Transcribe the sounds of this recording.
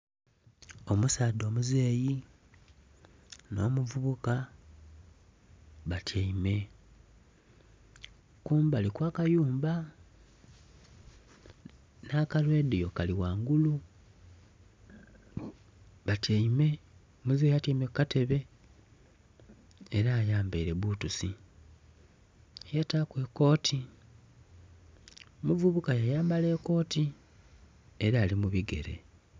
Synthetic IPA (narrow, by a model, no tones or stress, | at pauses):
o̞musaːdo̞ːmuzeːji | no̞ːmuvuβuka | βatʰjaime̞ | kuːmbalikwaːkajuːmba | naːkalwe̞ːdejo̞kaliwaːŋɡulu | βatʰeime̞ | muziejatiimekːate̞βe̞ | ɾaːjaːmbeiɾe̞βuːtusi | jatakwe̞ko̞ːtʰi | omuvuβukajajaːmbale̞ːko̞ːti | eɾaːlimuβiɡe̞̰ɾe̞̰